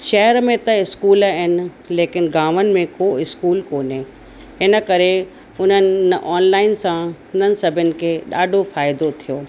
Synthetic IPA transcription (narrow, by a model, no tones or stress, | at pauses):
ʃɐɦəɾmẽt̪ɐɪskuːlɐɦɪnɪ̆ | leːkɪnɡaːʋənɪ̆mẽkoːɪskuːlkoːne | ɪnə̆kɐɾe | ʊn̤ənɪʔaːnlaːɪnsãʊn̤ənɪ̆sɐbʱənɪ̆kʰeːɗaːɖʱofaːɪd̪ot̪ʰijoː